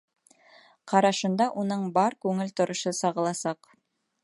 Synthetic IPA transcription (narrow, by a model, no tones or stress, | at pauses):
qɑɾɑʃɤ̆nd̪ɑʔunɤɴbɑɾkʉŋɘlt̪ŏɾŏʃɤsɑʁɤ̆lˠɑsɑq